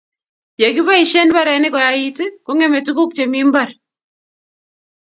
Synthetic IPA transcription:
je˨ki˦βa˦i˨ʃɛ˦nβa˦ɾɛ˨˦nɛ˦kɔ˨ja˨i˦ti˦ko˦ŋɛ˦me˨tu˦ku˦k̚t͡ʃe˨mi˦mbar

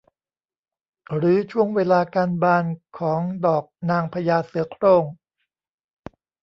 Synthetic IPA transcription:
ɾɯː˩˦t͡ɕʰu˥˩əŋweː˧laː˧kaː˧nbaː˧nkʰɔː˩˦ŋdɔː˨˩k̚naː˧ŋpʰa˧jaː˧sɯ˨˩˦kʰɾoː˧˩ŋ

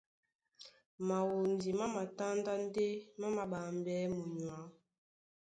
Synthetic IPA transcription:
ma˨wu˨n˨di˨ma˦ma˨ta˦nda˦n̩˦de˦ma˦ma˨ɓa˨m˨bɛ˨˦mu˨ɲwa˨˦

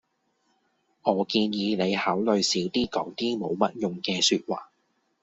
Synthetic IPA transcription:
ŋɔː˨˧kiː˧njiː˨˧ne˨˧jhaː˨˥wlɵ˨ɥsiː˨˥wt̪iː˥kɔː˨˥ŋt̪iː˥mo˨˧wmɐ˥t̚jʊ˨ŋkɛː˧syː˧t̚wa̰ː˨˩

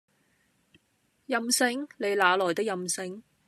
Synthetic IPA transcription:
jɐ˧msɪ˧ŋle˨˧jlaː˨˧lɔː˨˩jt̪ɪ˥k̚jɐ˨˧msɪ˧ŋ

